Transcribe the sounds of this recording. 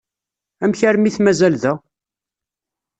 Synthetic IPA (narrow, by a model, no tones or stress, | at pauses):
æmçəɾmiθmæzælðæ